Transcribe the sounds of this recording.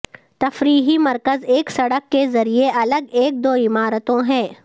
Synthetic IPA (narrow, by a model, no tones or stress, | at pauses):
t̪ɐfɾiːɦimɐɾkəzeːksɐɽəkːezɐɾieʔɐləɡeːk̚d̪oːɪmaːɾət̪õɦɛ̃ː